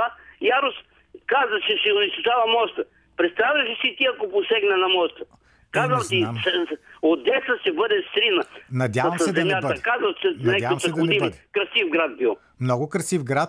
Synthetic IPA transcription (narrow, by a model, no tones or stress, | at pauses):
ajaɾnos | kazəʃɛsɛonist̪ot͡ʃavɐmɔst̪ə | pɾɛt̪st̪avʲjɐʃisit̪iɐkoposɛɡnɐnɐmɔst̪ə | kazəmt̪isod̪ɛsəʃɛbəd̪ɛst̪ɾinənɐd̪ʲjavɐmsɛdzɛɐmjatbd̪əkazɐt͡ʃɛnɛdavɐmsɐɛk̪d̪ɐod̪ɛibikɾɐsifɡɾat̪̚bilˠ | mnɔɡʊkɾɐsifɡɾat̪̚